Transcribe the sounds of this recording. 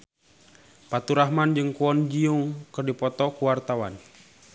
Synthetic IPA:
pat̪uɾaɦmand͡ʒɨŋkuɔnd͡ʒiuŋkərdipɔt̪ɔkuwart̪awan

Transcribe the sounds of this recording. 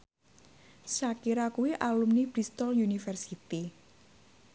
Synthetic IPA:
sakiɾakuwiʔalumnib̥ɾist̪ɔljunifɛrsit̪i

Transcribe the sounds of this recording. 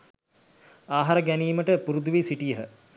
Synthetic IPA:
aːɦaɾəɡæniːməʈəpuɾud̪uʋisiʈijəɦə

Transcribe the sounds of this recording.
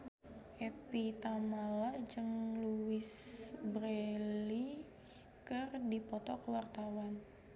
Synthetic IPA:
ʔɛpit̪amalad͡ʒɨŋluɪsbɾeli | kərdipɔt̪ɔkəwart̪awan

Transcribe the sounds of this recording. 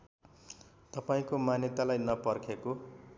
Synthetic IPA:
t̪ʌpaĩkomanjʌt̪alajnʌpʌrkʰeko

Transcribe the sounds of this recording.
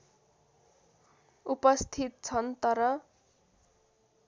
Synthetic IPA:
upʌst̪ʰit̪̚t͡sʰʌnt̪ʌɾʌ

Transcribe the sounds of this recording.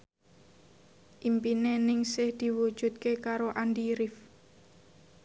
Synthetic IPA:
ʔimpinenɪŋsɪhd̪̥i̤wud̥ʒ̥ṳt̪̚kekaɾoʔandiɾɪf

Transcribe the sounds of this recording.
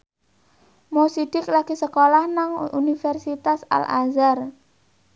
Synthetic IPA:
mosid̥ɪk̚laɡ̥isəkolahnaŋunifɛrsit̪asa̰lʔa̰zar

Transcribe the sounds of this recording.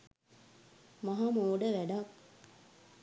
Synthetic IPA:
maɦamoːɖəʋæɖa

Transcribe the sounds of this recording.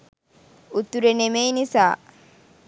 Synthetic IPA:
ut̪ːuɾenemejnisaː

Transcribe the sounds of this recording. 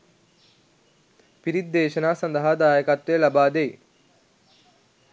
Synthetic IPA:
piɾid̪̚ːeːʃɐnaːsɐnd̪ɐɦad̪aːjɐkat̪ʋeːlɐbaːd̪eː

